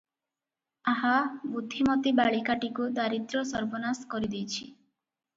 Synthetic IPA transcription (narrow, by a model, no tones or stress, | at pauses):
aɦabud̪ʱːimɔt̪ibaɭikaʈikud̪aɾit̪ɾɔsɔɾbɔnaskɔɾid̪ijt͡ʃʰi